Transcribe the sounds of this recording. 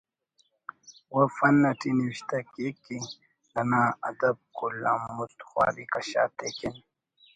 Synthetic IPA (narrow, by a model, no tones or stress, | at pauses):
wofɐnːɐʈiniwiɕt̪akeki | lɐnaːɐd̪ɐb̚kulamust̪xwa̰ːɾikɐɕa̰ːt̪ekin